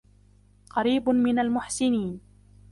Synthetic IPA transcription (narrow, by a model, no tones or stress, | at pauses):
qɑɾiːbmɪnalmʊħsɪniːn